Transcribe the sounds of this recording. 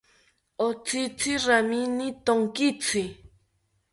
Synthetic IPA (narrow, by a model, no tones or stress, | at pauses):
ot͡sʰit͡sʰiraminit̪oŋkit͡sʰi